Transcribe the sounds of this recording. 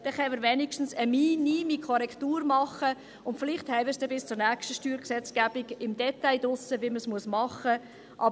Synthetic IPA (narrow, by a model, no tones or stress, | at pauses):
d̥ɛχɛnməɾvɛnɪkʃtn̩səminimikʰɔɾɛktuːɾmɑχə | ʊntfɪlɪχthɛɪvəsd̥ɛbɪst͡sʊɾnækʃtəʃtyːɾksɛt͡skæb̥ɪɡɪmdɛtaɪdʊsəviɪməsmuəsmɑχə | ʔɑ